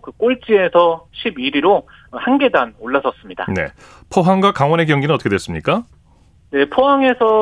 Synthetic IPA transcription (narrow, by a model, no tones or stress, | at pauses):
kɯk͈oɭt͡ɕ͈ie̞sʰʌɕʰibiɾiɾo | hanɡe̞danoɭːas͈ʰʌs͈ɯmɲida̰ne̞̰ | pʰoɦaŋɡakaŋwʌne̞kjʌŋɡinɯnʌt͈ʌkʰdwes͈ɯmɲik͈a | ne̞pʰoɦaŋe̞sʰʌ